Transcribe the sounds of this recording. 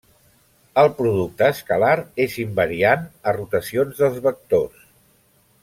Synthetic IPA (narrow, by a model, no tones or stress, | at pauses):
əlˠpɾuðuk̚t̪əːskəlaɾezimbəɾianərut̪əsionzðəlˠzβək̚t̪os